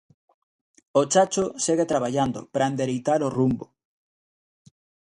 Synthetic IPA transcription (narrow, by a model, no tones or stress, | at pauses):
ot͡ʃat͡ʃoseɣet̪ɾaβ̞aʎand̪o̰pɾaend̪eɾejt̪aɾorumbo